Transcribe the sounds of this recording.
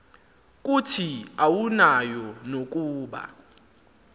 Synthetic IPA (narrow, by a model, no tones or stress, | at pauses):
k̬ʼutʰiawunajɔnok̬ʼuːɓa̰